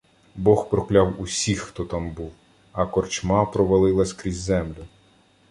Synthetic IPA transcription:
bɔxpɾɔklʲawusʲixːt̪ɔt̪ɑmbuw | ɐkɔrt͡ʃmɑpɾɔʋɐlˠɪlˠɐsʲkɾʲizʲzɛmlʲʊ

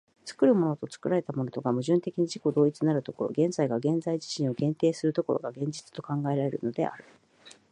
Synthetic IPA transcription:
t͡sɨ̥kɯ̟ɾɯ̟mo̞no̞t̪o̞t͡sɨ̥kɯ̟ɾaɾe̞t̪amo̞not̪o̞ɡamɯ̟ʑɨ̃nt̪e̞kʲiɲ̟iʑiko̞d̪o̞ːit͡sɨnaɾɯ̟t̪o̞ko̞̰ɾo̞̰ɡẽ̞nd͡zaiɡaɡẽ̞nd͡zaiʑi̥ɕĩɰ̃o̞ɡẽ̞nt̪e̞ːsɨɾɯ̟t̪o̞ko̞ɾo̞̰ɡaɡẽ̞ɲ̟d͡ʑi̥t͡sɨ̥t̪o̞kãŋɡae̞ɾaɾe̞ɾɯ̟̰no̞d̪e̞̰a̰ɾɯ̟

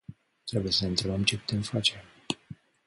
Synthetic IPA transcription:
t̪ɾe̞buje̞səɨnt̪ɾebəmt͡ʃe̞pu̥t̪e̞mfat͡ʃe̞m

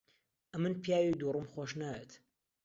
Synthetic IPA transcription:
ʔɐmɨnpʰijaːwid̪urˤɨmχoʃ̬naːjet̪ʰ

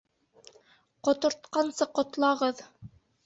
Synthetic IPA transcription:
qŏt̪ŏɾt̪̚qɑnsɤqŏt̪lˠɑʁɤð

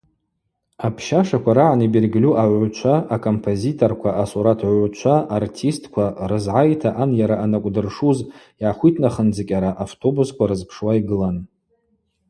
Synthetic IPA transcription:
apʰʃaʂakʷʰaɾaʕanibirɡʲlʲuʔaʕʷt͡ʃʷʰaːkʰo̞mpʰozitʰorkʷʰaʔasuɾatʰʕʷt͡ʃʷʰaʔartʰistʰʼkʷʰarɨzʕajtʰaʔanjaɾaʔanakʷʼdɨrʂuz | jʕaχʷitʰnaχənd͡zakʲʼaɾaʔaftʰo̞buskʷaɾɨzpʰʂwaiɡɨlan

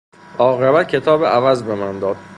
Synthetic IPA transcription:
ʔɒːɣebæt̪̚cʰet̪ʰɒːbeʔævæzbemænd̪ɒːd̪̥̚

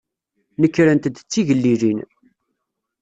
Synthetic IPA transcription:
nəkːɾənt̪d̪ət͡sːiʝəlːilin

